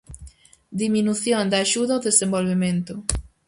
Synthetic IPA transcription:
d̪iminuθjõnd̪aʃuðaoðesẽmbolβemẽnt̪ʊ

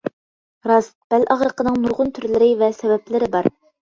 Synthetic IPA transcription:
ɾɑsb̥ælʔɑʁɾəqənɨŋnuɾʁʊnt̪ʰyɾlɪɾɪvɛsɛvɛplɪɾɪbɑɾ

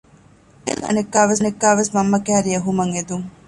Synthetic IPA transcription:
ḛŋɐ̰nekːaːʋɐs̬nekːaːʋesmɐmːɐkæːɾiɐɦumɐŋed̪uŋ

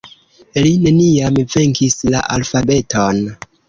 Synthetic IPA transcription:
line̞niamve̞ŋkisla̰ʔalfabe̞tʰon

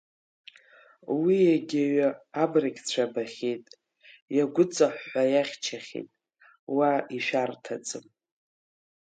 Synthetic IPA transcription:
wijaɡʲaɥaːbrakʲt͡ɕʷʰabaχʲetʼ | jaɡʷʊt͡sʼaħʷħʷajaχʲt͡ʃʰaχʲḛtʼ | waiʃᶣartʰat͡sʼɨm

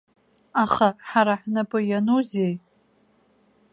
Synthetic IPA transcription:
aχaħaɾaħnapʼɨjanuzej

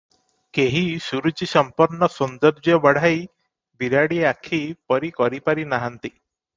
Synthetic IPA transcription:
keɦisuɾut͡ʃisɔmpɔɾnɔsund̪ɔɾd͡ʒjɔbɔɽ̤aj | biɾaɽieakʰipɔɾikɔɾipaɾinaɦant̪i

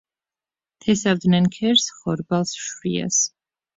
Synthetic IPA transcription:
t̪ʰɛsavd̪nɛnkʰɛɾsχɔɾbalˠsʃwia̰s

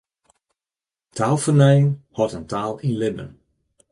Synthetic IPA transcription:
tʰaːlˠfərnɛjəŋhɔtəntʰaːlˠinlɪə̰n

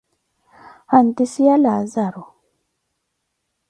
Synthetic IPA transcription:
han̩tisialazaɾɔ

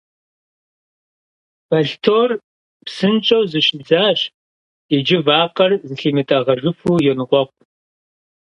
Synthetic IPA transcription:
b̥ɐɬtʰoːr | psɨnt͡ʃʼɐwzɨɕɪd͡zaːɕ | id͡ʒɪvaːqɐrzɨɬiːmɨtʼaʁɐʒɨfuːjɛnʁʷɔqʷʼ

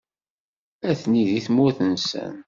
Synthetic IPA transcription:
æθniðiθmʊθənsə̰n

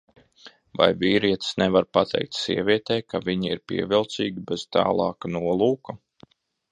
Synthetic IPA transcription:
va̰jvʲiːɾiɛt̪snevaɾpat̪ʰɛ̰jk̚t̪siɛvʲiɛt̪ɛːkavʲiɲiiɾpʲiɛvilˠt̪siːɡʲibez̥t̪ɑ̰ːlˠɑːknuɔlˠuːku

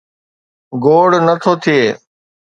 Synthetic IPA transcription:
ɡoːɽnət̪ʰoːt̪ʰɪjeː

